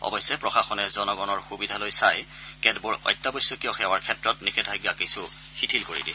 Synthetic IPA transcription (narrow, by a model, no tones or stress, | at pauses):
ɔ̰bɔjsːɛpɹɔxaxɔnɛzɔnɔɡɔnɔɹxubidʱalojsajkɛdbʊɹɔ̰jtːabɔjsʊkiɔxɛwaɹkʰɛtɹɔtnikʰɛdʱajɡjakisu | xitʰilkoɹḭdi